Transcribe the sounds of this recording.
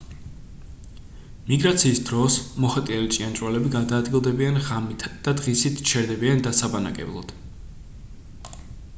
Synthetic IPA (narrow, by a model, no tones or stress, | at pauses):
miɡɾat̪sʰiːsd̪ɾɔsmɔχat̪ʼialit͡ʃʼiant͡ʃʼwalɛbiɡad̪aːd̪ɡilˠd̪ɛbianʁamit̪ʰd̪̥ad̪ʁisit̪ʰt͡ʃʰɛɾd̪ɛbiand̪asabana̰kʼɛ̰blˠa̰d̪̥